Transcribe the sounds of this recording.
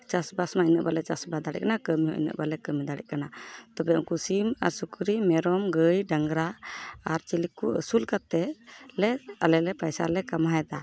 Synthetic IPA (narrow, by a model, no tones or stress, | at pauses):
t͡ʃasbasmainəʔbalɛt͡ʃasbad̪aɽɛ̰ʔ̚kanakəmiɦɔ̰̃ʔḭnə̰ʔbalɛkəmid̪aɽɛ̰ʔ̚kanat̪ɔbɛṵŋkusima̰ɾsukɾimɛɾɔmɡəjɖaŋɡɾaaɾt͡ʃilikːuə̰sulkat̪ɛlɛalɛlɛpajsa̰lɛkamaɦɛd̪a